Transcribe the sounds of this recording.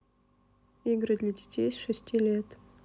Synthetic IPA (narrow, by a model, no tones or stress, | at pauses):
iɡɾɨd̪ʲlʲɐdʲɪtʲejsʂɨsʲtʲilʲet̪